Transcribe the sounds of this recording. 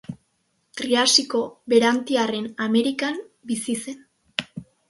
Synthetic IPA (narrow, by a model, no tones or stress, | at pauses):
t̪ɾiasiko̞βe̞ɾant̪iare̞name̞ɾikambisise̞n